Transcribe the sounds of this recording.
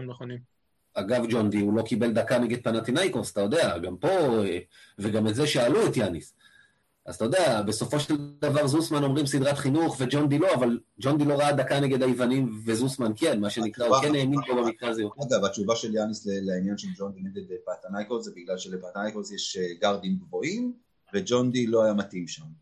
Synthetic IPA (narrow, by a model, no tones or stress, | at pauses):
mneχonim | aɡavd͡ʒo̞nd̪iulo̞kibe̞ld̪akane̞ɡed̪̚panat̪inajkosḁt̪ajo̞d̪e̞aɡampo̞eveɡametze̞ʃealuet̪janis | azt̪ajo̞d̪eabe̞so̞fo̞ʃeld̪avaʁzusmano̞mʁimsid̪ʁat̪χinuχve̞d͡ʒo̞nd̪ilo̞avald͡ʒo̞nd̪ilo̞ʁaad̪akaneɡe̞d̪ajivanimve̞zusmankenmaʃe̞nikʁaokeneːminbobamikkazijoaɡavat͡ʃuvaʃe̞ljanisleleainjanʃeld͡ʒond̪ineɡed̪epat̪anajkozebiɡlalʃelepat̪najkosjeʃɡaʁd̪imɡvoim | ved͡ʒo̞nd̪ilo̞ajamat̪imʃam